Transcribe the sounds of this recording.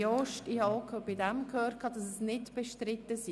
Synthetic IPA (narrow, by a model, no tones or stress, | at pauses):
ɔʃtiːhɑokʰøb̥ɪdɛmkʰhøːt̚kʰɑːd̥ɑsɛsnɪtb̥ɛʃtrɾɪt̪əsi